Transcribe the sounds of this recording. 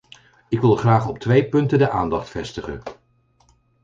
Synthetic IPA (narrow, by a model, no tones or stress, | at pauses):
ɪkʋɪlˠχraːχɔp̚tʋejpɵntədəʔaːndɑχtfɛstəχə̰n